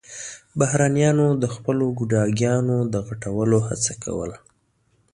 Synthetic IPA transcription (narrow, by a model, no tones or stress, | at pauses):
bahɾanijɑnod̪əxpəloɡʊɖɑɡjɑnod̪əɣaʈawəloha̰t͡sakʰa̰wə̰la